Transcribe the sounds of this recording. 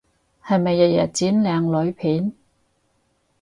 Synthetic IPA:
hɐ˨jmɐ˨jːɐ˨jɐ̰˨˩t͡siː˨˥nlɛː˨˧ŋlɵ˨˧ɥpʰiː˨˥n

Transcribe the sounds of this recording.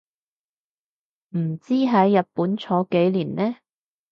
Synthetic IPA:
m̩˨˩t͡siː˥ɦɐ˨˥jːɐ˨t̚puː˨˥nt͡ʃʰɔː˨˥ke˨˥jliː˨˩nlɛː˥

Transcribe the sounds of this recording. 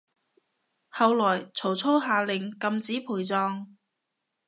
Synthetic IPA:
hɐ˨˧wlɔː˨˩jt͡sʰo˨˩wt͡sʰo˥wɦaː˨˧lɪ˨˩ŋkɐ˧mt͡siː˨˥pʰuː˨˩jt͡sɔː˧ŋ

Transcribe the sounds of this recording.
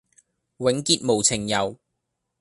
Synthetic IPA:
wɪ˨˥ŋkiː˧t̚mo˨˩wt͡sʰɪ˨˩ŋjɐ˨w

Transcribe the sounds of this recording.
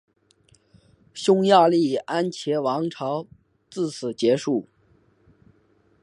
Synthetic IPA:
ɕʊ˥ŋja˥˧li˥˩a˥nt͡ɕʰjɛ˧˥wɑ˧˥ŋʈ͡ʂʰɑ˧˥ʊ | t͡sɹ̩˥˩sʰɹ̩˨˩t͡ɕjɛ˧˥ʂu˥˩

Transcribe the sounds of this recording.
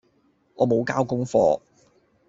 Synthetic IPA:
ŋɔː˨˧mo˨˧wkaː˥wkʊ˥ŋfɔ̰ː˧

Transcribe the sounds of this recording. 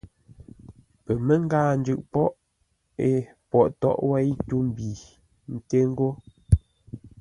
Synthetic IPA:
pə˨mə˦ŋ̩˦ɡaː˦˨n˦d͡ʒʉ˨ʔpɔ˦ʔ | e˨pɔ˨ʔtɔ̰˦˨ʔwɛ˦i˦tu˦m˨bi˨ | n̩˨te˦ŋ̩˦ɡo˦

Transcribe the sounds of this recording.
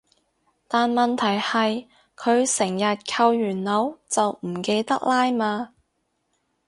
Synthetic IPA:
t̪aː˨nmɐ˨nt̪ʰɐ˨˩jhɐ˨j | kʰɵ˨˧ɥsɪ˨˩ŋjɐ˨t̚kʰɐ˧wjyː˨˩nlɐ˨˧wt͡sɐ˨wm̩˨˩ke˧jt̪ɐ˥k̚laː˥jmaː˧

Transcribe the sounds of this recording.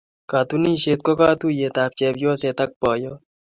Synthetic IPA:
ka˨t̪uniː˦ʃeː˨t̪̚ko˦kaː˦t̪uje˨t̪aːp̚t͡ʃɛː˨bjoː˦set̪ɐk̚pɔː˨jɔ˦

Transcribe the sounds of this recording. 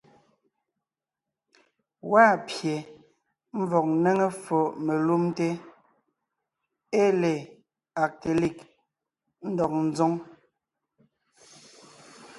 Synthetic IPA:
waː˦˨pje˨ | m̩˦vɔ˨k̚ne˦ŋe˦fo˨ʔme˨lu˦mte˦ | e˦le˨ | a˨k̚te˨li˦˨k | n̩˦dɔ˨k̚n̩˦zo˦ŋ

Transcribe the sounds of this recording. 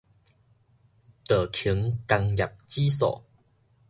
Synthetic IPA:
t̪əː˨˩kʰi˨˦ŋka˧ŋja˨˩p̚t͡ɕi˦sɔ̰˨˩

